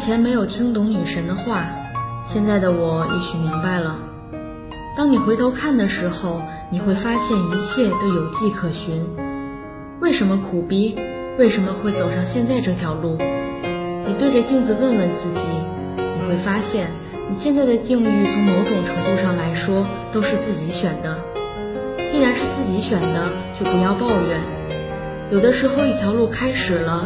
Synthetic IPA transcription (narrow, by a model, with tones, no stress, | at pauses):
i˨˩t͡ɕʰjɛ˧˥nme˧˥ɪjo˨˩ʊt̪ʰi˥ŋt̪ʊ˧˥ŋny˨˩ʂə˧˥nd̪ə˧xwa˥˩ | ɕjɛ˥˧nt͡sa˥˩ɪd̪ə˩wɔ˨˩ḭ˥˩t͡ɕʰy˨˩mi˧˥ŋba˥˧ɪlə˩ | t̪ɑ˥ŋni˨˩xwe˧˥ɪt̪ʰo˧˥ʊkʰa˥˩nd̪ə˩ʂɻ̩˧˥xo˥˧ʊ | ni˨˩xwe˥˩ɪfa˥ɕjɛ˥˩ni˧˥t͡ɕʰjɛ˥˩t̪o˥ʊjo˨˩ʊt͡ɕi˥˩kʰɤ˨˩ɕy˧˥n | we˥˩ɪʂə˧˥nmə˧kʰu˨˩pi˥ | we˥˩ɪʂə˧˥nmə˧xwe˥˩ɪt͡so˨˩ʊʂɑ˥˧ŋɕjɛ˥˧nt͡sa˥˧ɪʈ͡ʂɤ˥˩t̪ʰjɑ˧˥ʊlu˥˩ | ni˨˩t̪we˥˩ɪʈ͡ʂə˨˩t͡ɕi˥˧ŋt͡sɹ̩˥˧wə˥˧nɻə˥˧nt͡sɹ̩˥˩t͡ɕi˧˥˦ | ni˨˩xwe˥˩ɪfa˥ɕjɛ˥˩n | ni˨˩ɕjɛ˥˧nt͡sa˥˩ɪd̪ə˩t͡ɕi˥˧ŋu˧lu˥˩t͡sʰʊ˧˥ŋmo˧˥ʊʈ͡ʂʊ˨˩ŋʈ͡ʂʰɤ˧˥ŋt̪u˥˧ʂɑ˥˩ŋla˧˥ɪʂwɔ˥ | t̪o˥ʊʂɻ̩˥˧t͡sɹ̩˥˩t͡ɕi˧˥ɕɥɛ˨˩nd̪ə˦ | t͡ɕi˥˩ɻa˧˥nʂɻ̩˥˧t͡sɹ̩˥˩t͡ɕi˧˥ɕɥɛ˨˩nd̪ə˦ | t͡ɕjo˥˩ʊpu˧˥jɑ˥˧ʊpɑ˥˧ʊɥɛ˨˩˦n | jo˨˩ʊd̪ə˦ʂɻ̩˧˥xo˥˧ʊi˥˩t̪ʰjɑ˧˥ʊlu˥˩kʰa˥ɪʂɻ̩˨˩lə˦